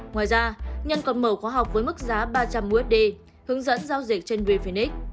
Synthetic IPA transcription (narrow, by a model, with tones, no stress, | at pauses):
ŋwaː˨˩jzaː˧ɲə˧˩nkɔ˨˩nməː˧˩xwaː˨˦ɦa˨˩wk͡p̚vəː˨˦jmɨ˦˥k̚zaː˨˦ɓaː˧t͡ɕa˧mʔu˧ʔɛ˦˥t̚ɗe˧ | hɨ˨˦əŋzə̰˧˥nzaː˧wzi˨˩k̚t͡ɕe˧nwe˧fi˧˩nʔi˦˥k̚